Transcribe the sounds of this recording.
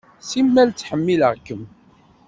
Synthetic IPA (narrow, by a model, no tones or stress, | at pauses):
simːælt͡sːħəmːiləʁkːəm